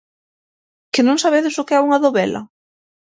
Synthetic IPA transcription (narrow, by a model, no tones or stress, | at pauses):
kɪnõŋsaβeðɪsʊkeauŋaðoβɛlɐ̰